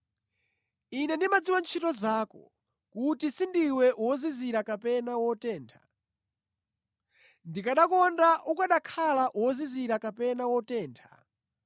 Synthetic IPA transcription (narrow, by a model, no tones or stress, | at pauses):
inɛndimad͡ziwant͡ʃʰitɔzaːkɔ̰ | kutisindiwɛʔwɔziziɾakapɛnawɔtɛːntʰḁ̰ | ndikaɗakɔndaʔukaɗakʰalaʔuwɔziziɾakapɛnawɔtɛːntʰḁ̰